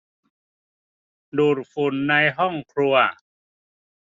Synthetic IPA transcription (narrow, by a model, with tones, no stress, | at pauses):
duː˨˩t̚fu˨˩nːa˧jɦɔ˥˩ŋkʰɾu˧ɐ